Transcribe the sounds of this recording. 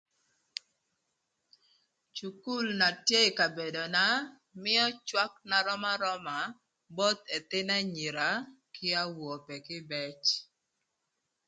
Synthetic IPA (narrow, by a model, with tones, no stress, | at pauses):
t͡ʃu˨ku˦˨lna˨tje˦ɪ˨ka˨be˨do˨na˦ | mɪ˦ɔ˦t͡ʃwa˦k̚na˨ɾɔ˦ma˦ɾɔ˦ma˨ | bɔ˦t̪ɛ˨t̪ɪ˦nɛ˦ɲi˨ɾa˨kɪ˦a˦wo˨pɛ˨kɪ˦bɛ˦t͡ʃ